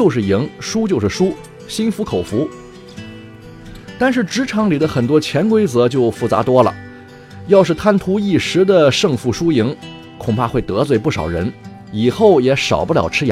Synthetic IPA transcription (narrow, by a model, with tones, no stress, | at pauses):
o˥˧ʊʂ̬ɻ̩˥˩i˧˥ŋʂu˥t͡ɕjo˥˧ʊʂ̩˥˩ʂu˥ | ɕi˥nfu˧˥kʰo˨˩ʊfu˧˥ | t̪a˥˧nʂɻ̩˥˩ʈ͡ʂɻ̩˧˥ʈ͡ʂʰɑ˧˥ŋli˨˩d̪ə˦xə˨˩nt̪̬wɔ˥t͡ɕʰjɛ˧˥nkwe˥ɪt͡sɤ˧˥t͡ɕjo˥˧ʊfu˧˥˩t͡sa̰˧˥t̪wɔ˥lə̰˨ | jɑ˥˧ʊʂɻ̩˥˩t̪ʰa˥˩nt̪ʰu˧˥i˥˩ʂɻ̩˧˥d̪ə˧ʂɤ˥˧ŋfu˧˥˩ʂu˥i˧˥ŋ | kʰʊ˨˩ŋpʰa˥˧xwe˥˩ɪt̪ɤ˧˥t͡swe˥˧ɪpu˥˩ʂɑ̰˨˩ʊɻə̰˧˥n | i˨˩xo˥˩ʊjɛ˧˥ʂɑ̰˨˩ʊpu˥ljɑ˨˩ʊʈ͡ʂʰɻ̩˥˧˥